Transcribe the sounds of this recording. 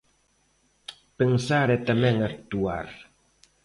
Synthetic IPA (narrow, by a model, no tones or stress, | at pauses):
pɨŋsaɾɛtɛmɛŋɛtua̰ɾ